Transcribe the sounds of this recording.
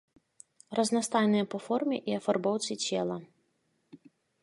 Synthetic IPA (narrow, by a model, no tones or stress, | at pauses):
rɐznast̪ajnɨjɛɐpɔfɔrmʲɛʔiɐfarbɔwt̪sit͡sʲɛlˠɐ